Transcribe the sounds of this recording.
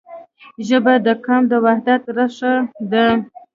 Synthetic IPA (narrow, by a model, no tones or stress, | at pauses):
ʒəbad̪əkamd̪əwahd̪at̪ɾaʂad̪ə